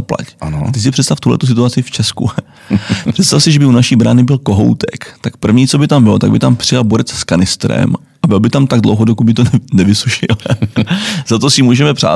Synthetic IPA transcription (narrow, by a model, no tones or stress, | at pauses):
opla̰cano̰t̪ɪs̬ɪpr̥ɛt̪st̪aft̪uɦlɛ̰t̪us̬ɪt̪uat͡sɪft͡ʃɛskṵ | pr̥ɛt̪st̪afsɪʒɛbɪunaʃiːbɾaːnɪbɪlko̞ɦo̰wt̪ɛ̰kt̪akpr̩vɲiːt͡so̞bɪt̪ambɪlot̪aɡbɪt̪ampr̝̥ɪjalboɾɛt͡sskanɪst̪ɾɛ̰m | ʔabɪlbɪt̪amt̪aɡ̚dlo̰wɦodokud̪̚bɪt̪onɛvɪsuʃɪ̰l | zat̪osɪmuːʒɛmɛpr̝̥a̰ː